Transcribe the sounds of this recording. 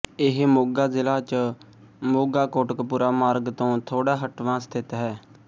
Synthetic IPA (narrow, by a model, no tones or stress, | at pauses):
ɪɦmoːɡaːzɪlaːt͡ʃə | moːɡaːkoːʈəkpuːɾaːmaːɾɡt̪õːt̪ʰoːɽaːɦəʈʋãːst̪ʰɪt̪ɦɛː